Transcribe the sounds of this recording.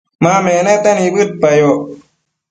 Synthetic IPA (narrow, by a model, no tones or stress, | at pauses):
maːmɛːnɛt̪ɛnibɯt̪̚pajo